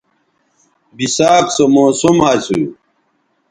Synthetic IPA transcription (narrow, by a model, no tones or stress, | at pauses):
bisaːksomoːsomaːt͡suju